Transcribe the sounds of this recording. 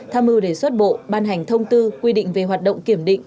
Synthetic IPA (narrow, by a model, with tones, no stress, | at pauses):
t̪ʰaː˧mʔɨ˧ɗe˧˩swə˦˥t̚ɓo̰˧˨ɓaː˧nɦa˨˩jŋ̟t̪ʰə˧wŋ͡mt̪ɨ˧kwi˧ɗḭ̈˧˨ŋ̟ve˨˩ɦwaː˨˩t̚ɗə̰˧˨wŋ͡mki˧˩əmɗḭ˧˨ŋ̟